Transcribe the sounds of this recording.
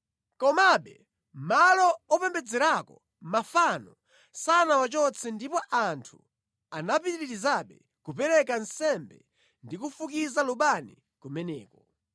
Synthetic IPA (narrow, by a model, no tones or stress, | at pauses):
kɔmaɓɛ | mmalɔɔpɛmbɛd͡zɛɾakɔ | mafanɔ | sanawat͡ʃɔt͡sʰɛndipɔʔantʰu | anapiɾiɾiɾizaɓɛ | kupɛɾɛkansɛmbɛ̰ | ndikufukizaluɓani | kumɛnɛːkɔ